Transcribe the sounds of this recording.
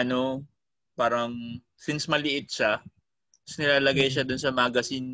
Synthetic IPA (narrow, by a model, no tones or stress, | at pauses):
ɐno̞ | paːɾɐŋ | sɪnsmɐlɪʔɪt̪̚ʃa | snɪlaːlɐɡɐjʃ̬ɐd̪ʊnsɐmaːɡɐsɪn